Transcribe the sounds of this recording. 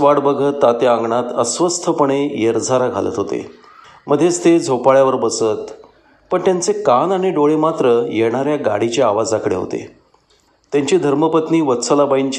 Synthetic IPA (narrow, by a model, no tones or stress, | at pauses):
ʋaɽbəɡʱət̪ːat̪jaəŋɡɳat̪əsʋəst̪ʰəpəɳ̃ejəɾd͡zʱaɾaɡʱa̰lə̰t̪ɦot̪ḛ | məd̪ʱːjest̪ed͡zʱopaɭjaʋəɾbəsət̪ | pəɳt̪jant͡sekanaɽ̃iɖoɭemat̪ɾəjeɽ̃aɾjaɡa̰ɽ̤it͡ɕeaʋad͡zakɽḛɦo̰t̪ḛ | t̪jaɲt͡ɕiːd̪ʱəɾməpət̪niːʋət̪səlabaiɲt͡ɕ